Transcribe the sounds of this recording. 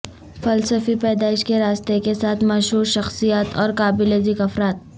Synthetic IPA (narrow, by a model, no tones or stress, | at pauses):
fɐlsəfipɛːd̪aːɪʃkeɾaːst̪ekesaːt̪ʰmɐʃɦuːɾʃɐxsijaːt̪ɔːɾkaːbɪlezɪkɐfɾaːt̪̚